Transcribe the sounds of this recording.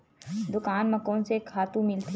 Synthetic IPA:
d̪ʊkaːnmɐkõnsekʰaːt̪ũmɪlt̪ʰ

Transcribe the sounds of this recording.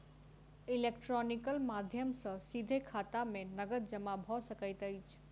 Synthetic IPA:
ilek̚ʈɾɔnikəlmad̪ʱjəmsə̃sid̪ʱekʰat̪amenəɡət̪d͡ʒəmabʱɔsəkəjt̪əjt͡ʃʰ

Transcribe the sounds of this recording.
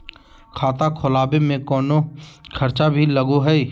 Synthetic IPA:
kʰaːt̪akʰʊlaːbemẽkɔːnokʰɐɾt͡ʃabʱilɐɡoɦɛi

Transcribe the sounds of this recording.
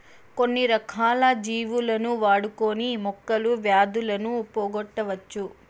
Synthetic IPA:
ko̞nːiɾɐkʰaːlɐd͡ʒiːʋulɐnuʋaːɽukoːnimɔkːɐluʋjaːd̪ulɐnupoːɡɔʈːɐʋɐt͡ʃːu

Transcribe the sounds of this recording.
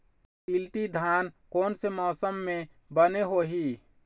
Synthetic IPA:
tilʈid̪ʱaːnkoːnsemɔːsəmːẽ | bəneɦoɦi

